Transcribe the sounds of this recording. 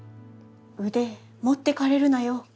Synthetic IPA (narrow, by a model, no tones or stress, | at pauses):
ɯd̪e | mot̪ːe̞kaɾe̞ɾɯ̟najo